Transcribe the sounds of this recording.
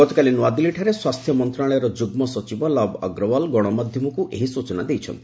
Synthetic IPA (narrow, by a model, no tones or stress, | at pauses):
ɡɔt̪ɔkalinuad̪iliʈʰaɾeswast̪ʰjɔmɔnt̪ɾaɭɔjɔɾɔd͡ʒuɡmɔsɔt͡ʃibɔlɔbɔ̰ɡɾɔwɔlɡɔɽ̃ɔmad̪ʱjɔmɔkuʔeɦisut͡ʃɔnad̪ejt͡ʃʰɔ̰nt̪ʰii̥